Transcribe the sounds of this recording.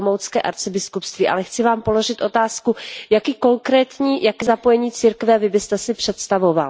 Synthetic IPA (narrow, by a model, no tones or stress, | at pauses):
mowt͡skɛːʔa̰ɾt͡sɪbɪskupst̪viːʔa̰lɛxt͡sɪvaːmpo̞lo̞ʒɪt̪ʔo̞t̪aːskujakiːko̞ŋkɾɛːt̪ɲiːjakɛːzapo̞jɛɲiːt͡siɾkvɛvɪbɪst̪ɛsɪpr̝̥ɛt̪st̪avo̞va̰l